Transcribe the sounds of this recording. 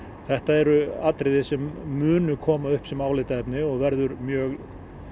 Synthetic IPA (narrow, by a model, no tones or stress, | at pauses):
θɛht̪aɛɾʏat̪ɾɪðɪsɛmːʏːnʏkʰɔːmaʏhpsɛmaːwlɪt̪aɛpnɪɔɣvɛɾðʏɾmjœːɣ